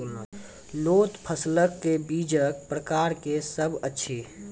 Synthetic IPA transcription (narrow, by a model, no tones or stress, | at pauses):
loːt̪pʰəsləkːebiːd͡ʒək̚pɾəkaːɾkesəbətːʃʰi